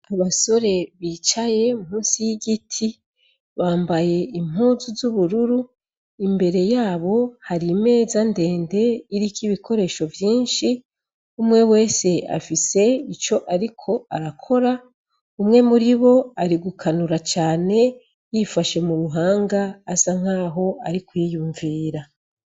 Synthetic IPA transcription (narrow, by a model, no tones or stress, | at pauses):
aβaso̞ɾe̞βiːt͡ʃaje̞mumuːnsijiɡitʰi | βaːmbaje̞im̥ɦuːzuzuβuɾuɾu | imbe̞ɾe̞jaːβo̞haɾime̞ːzande̞ːnde̞iɾikiβikʰo̞ɾe̞ːʃo̞vjiːnʃi | umŋe̞we̞ːse̞a̰fise̞it͡ʃo̞ʔaɾikʰo̞aɾakʰo̞ɾa | umŋe̞muɾiβo̞aɾiɡukʰanuɾat͡ʃaːne̞ | jifaʃe̞muɾuɦaːŋɡaːsaŋ̥aːɦo̞aɾikuijuːɱviːɾa